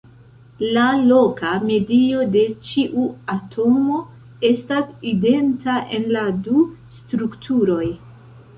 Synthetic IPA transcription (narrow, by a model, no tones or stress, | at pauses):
lalo̞kame̞dio̞de̞t͡ʃiʔuatʰo̞mo̞ | e̞staside̞ntaʔe̞̰nladu | stɾuktʰuɾo̞j